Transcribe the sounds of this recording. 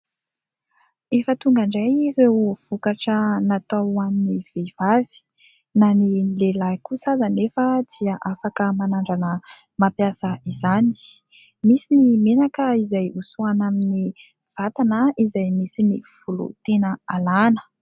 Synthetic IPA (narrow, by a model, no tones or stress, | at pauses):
ifat̪uŋɡaɳɖ͡ʐajrewv̥ukaʈ͡ʂənat̪awanniv̥ev̥avi̥ | nanilelajkusazanefəd̪̥iəʔafakəmanaɳɖ͡ʐanə | mapjasəizani̥ | misinimenakəizajusuanamini | v̥at̪anəizajmisiniv̥ulṵt̪enəalanə̥